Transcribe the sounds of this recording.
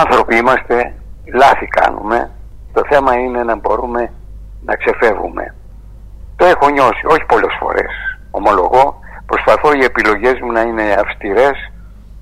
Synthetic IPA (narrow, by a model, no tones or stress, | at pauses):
ɐnθɾo̞piimɐst̪e̞ | lɐθikɐ̰nṵme̞̰ | t̪o̞θe̞mɐine̞nɐbo̞ɾume̞ | nɐ̰kse̞fe̞vṵme̞̰ | t̪o̞e̞xo̞ɲo̞sio̞çi̥po̞le̞sfo̞̰ɾe̞̰s | o̞mo̞lo̞ɣo̞ | pɾo̞spɐθo̞ie̞pilo̞ʝe̞zmunɐine̞ɐfst̪iɾe̞s